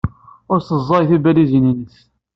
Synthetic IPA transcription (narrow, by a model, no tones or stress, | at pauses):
ʊɾsəzˤːɑjθibælizininəθ